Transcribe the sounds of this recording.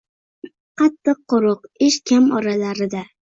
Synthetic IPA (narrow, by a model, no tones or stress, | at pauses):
qʰɑt̪ʰːɨq̚ːʊɾʊqɪʃkʲʰamɒɾalaɾɪd̪a